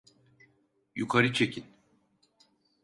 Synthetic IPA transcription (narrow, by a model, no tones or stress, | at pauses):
jukʰaɾɯt͡ʃʰecʰin